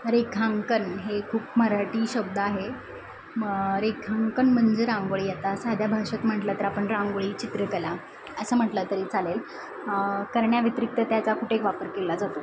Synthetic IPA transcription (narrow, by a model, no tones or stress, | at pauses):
ɾekʰaŋkənɦekʰuːpməɾaʈiːɕəb̚d̪əaɦe | əɾekʰaŋkənm̤əɳd͡zeɾãŋɡʋəɭiːjet̪asad̪ʱjabʱaʂət̪m̤əʈlət̪əɾapəɳɾãŋɡəɭiːt͡ɕit̪ɾəkəla | əsəːm̤əʈlət̪əɾiːt͡salel | kəɾɳjaʋit̪ɾik̚t̪ət̪jat͡sakʰuʈekʋapəɾkelad͡zat̪u